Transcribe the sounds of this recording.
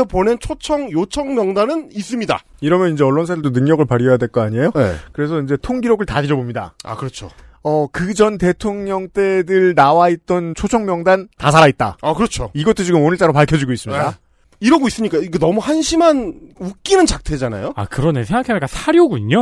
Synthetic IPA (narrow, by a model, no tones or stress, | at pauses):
ʌponent͡ɕʰot͡ɕʰʌŋjot͡ɕʰʌŋmjʌŋdanɯnis͈ɯmɲida̰ | iɾʌmjʌnind͡ʑe̞ʌɭːonsʰadɯɭdonɯŋɲʌɡɯɭpaɾjʌjadwe̞ɭk͈ʌaɲiejonḛkɯɾe̞sʰʌind͡ʑe̞tʰoŋɡiɾoɡɯɭtaɡid͡ʑʌbomɲida̰a̰kɯɾʌt͡ɕʰo̰ | ʌkɯd͡ʑʌnte̞tʰoŋɲʌŋt͈e̞dɯɭnawait̚t͈ʌnt͡ɕʰot͡ɕʰʌŋmjʌŋdantas̬ʰaɾait̚t͈a̰akɯɾʌt͡ɕʰoiɡʌt͈ʰːot͡ɕiɡɯmonɯɭt͡ɕ͈aɾopaɭkʰjʌd͡ʑiɡois͈ɯmɲida | iɾʌɡois͈ɯmɲik͈aiɡenʌmuhanɕʰimanuk͈inɯnt͡ɕak̚tʰe̞d͡ʑana̰joa̰kɯɾʌnesʰeŋɡakʰeaik͈asʰaɾjoɡuɲo